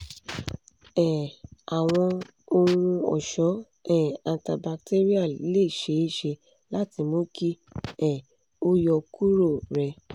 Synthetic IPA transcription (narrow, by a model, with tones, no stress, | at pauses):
ɛ̃˨a˨w̃ɔ̃˧ | o˧ŋũ˧ɔ̰˨ʃɔ˨˦ | ɛ̃˦˨ã˧ta˧ba˧k̚te˦ɾi˦a˦˨˦le˦˨ʃe˨˦˨ʃe˧ | la˦ti˧mo˦ki˦ | ɛ̃˨ | o˦jɔ˧ku˦ɾo˦˨ɾɛ˧